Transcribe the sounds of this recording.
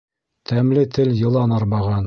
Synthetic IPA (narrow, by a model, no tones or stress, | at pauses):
t̪ʰæmlɘt̪ʰɘljɤ̆lˠɑnɑɾβɑʁɑn